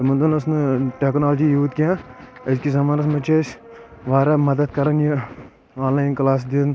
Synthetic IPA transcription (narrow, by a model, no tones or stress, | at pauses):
ɐmɐnd̪unɐsnɨʈeːknaːld͡ʒiːjuːt̪̚kãːɐd͡ʒkizɐmaːnɐsmɐt͡ʃeːsʲ | ʋaːɾaːmɐd̪ɐd̪̚kɐɾɐnji | aːnlaːjnklaːs̬d̪in